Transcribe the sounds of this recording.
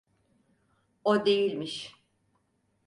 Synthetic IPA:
od̪e̞jilʲmiʃ

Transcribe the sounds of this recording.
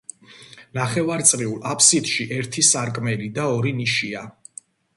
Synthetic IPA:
naχɛvaɾt̪sʼɾiulˠapʰsid̪̥ʃiʔɛɾt̪ʰisaɾkʼmɛlid̪aɔɾiniʃia

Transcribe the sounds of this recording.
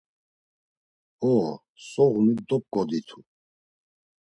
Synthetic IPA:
ɔ | sɔʁnud̪ɔp̚kɔd̪it̪ʰu

